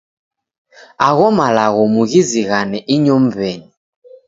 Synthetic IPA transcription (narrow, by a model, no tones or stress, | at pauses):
aɣɔmalaɣɔmuɣiziɣanɛʔiɲɔm̩vɛɲi